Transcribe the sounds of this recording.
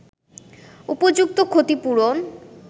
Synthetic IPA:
upod͡ʑuk̚t̪okʰot̪ipuɾon

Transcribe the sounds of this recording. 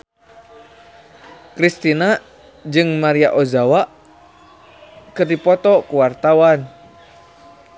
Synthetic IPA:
kɾist̪ina | d͡ʒɨŋmaɾiaʔozawaʔ | kɨrdipɔt̪ɔkuwart̪awan

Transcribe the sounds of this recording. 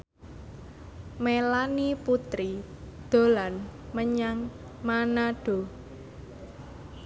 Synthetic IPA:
melaniput̪ɾi | d̪̥o̤lanməɲaŋ | manaɖ̥o̤

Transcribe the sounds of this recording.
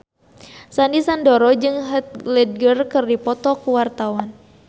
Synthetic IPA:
sandisandɔɾɔd͡ʒɨŋɦət̪̚lɛd̚ɡərkɨrdipɔt̪ɔkuwart̪awan

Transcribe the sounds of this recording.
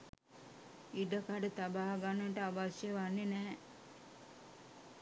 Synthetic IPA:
iɖəkaɖət̪abaɦaɡanːəʈəaʋasjeʋanːenæː

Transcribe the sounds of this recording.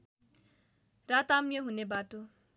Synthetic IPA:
rat̪amjoɦunebaʈo

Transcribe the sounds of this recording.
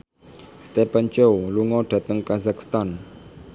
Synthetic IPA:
st̪ɛpant͡ʃowluŋɔɖ̥a̤t̪əŋkazakst̪an

